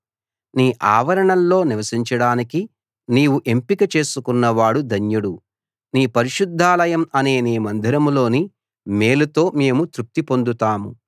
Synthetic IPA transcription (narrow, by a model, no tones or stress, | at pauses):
niːʔaːʋɐɾɐɳɐlːo̞ːniʋɐsiɲt͡ʃɐɽaːniki | niːwuʔe̞mpikɐt͡ʃe̞ːsukunːɐʋaːɽud̪ʱɐɲjuɽu | niːpɐɾiʃud̪ʱːaːlɐjɐmɐne̞ːniːmɐnd̪ʱiɾɐmlo̞ːni | me̞ːlut̪o̞ːme̞ːmut̪ɾup̚t̪ipo̞nd̪ut̪aːmṵ